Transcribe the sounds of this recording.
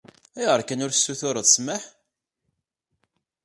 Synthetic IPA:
iʁəɾkænʊɾθsːuθʊɾˤəðˤsməħ

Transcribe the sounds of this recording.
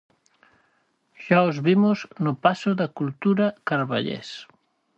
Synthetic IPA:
ʃaozβimʊznʊpasʊðakult̪uɾakaɾβa̰ʎḛs

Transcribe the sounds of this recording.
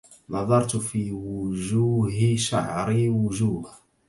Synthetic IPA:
nɑðˤɑɾˤt̪fiːwʊd͡ʒuːɦɪʃa̰ʕɾɪwʊd͡ʒuːha

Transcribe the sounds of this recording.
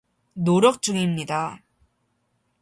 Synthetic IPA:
noɾjʌk̚t͡ɕ͈uɡimɲida

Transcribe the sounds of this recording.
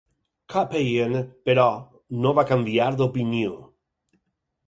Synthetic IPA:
kʰapejenpeɾɔ | noβakambjaɾðopinjo

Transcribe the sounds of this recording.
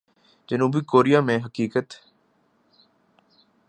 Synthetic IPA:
d͡ʒənuːbikoːɾijaːmẽɦəkiːkət̪

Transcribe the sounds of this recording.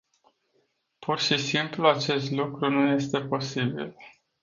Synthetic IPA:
pʰurʃisimpluat͡ʃe̞st̪lukɾunuje̞st̪e̞po̞sibḭl

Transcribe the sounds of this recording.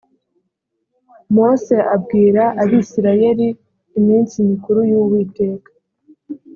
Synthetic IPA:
mo̞se̞ʔabɡiːɾaʔaβisiɾaje̞ɾiː | miːnsimikuɾujuwite̞ːkḁ

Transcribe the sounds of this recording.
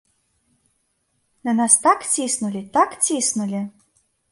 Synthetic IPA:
nanɑst̪akt͡sʲisnulʲit̪akt͡sʲisnulʲi

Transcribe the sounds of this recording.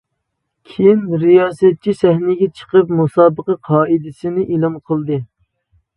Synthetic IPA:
kʲʰijinɾijɑːsɛt̪̚t͡ʃʰisɛhnɪɡʲɛt͡ʃʰə̥qəpmusɑːbəqɑqʰɑːid̪ɪsɪnɪʔilˠɨmqʰəlˠd̪ɨ

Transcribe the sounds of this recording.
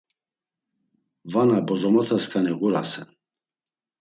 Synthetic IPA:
vanabɔzɔmɔt̪ʰaskʼaniʁuɾasɛn

